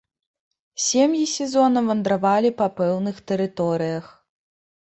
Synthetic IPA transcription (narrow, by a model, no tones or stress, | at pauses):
sʲemjisʲɛzɔnɐvɐnd̪ɾavalʲipɐpɛwnɨxt̪ɛɾɨt̪ɔɾɨjɐx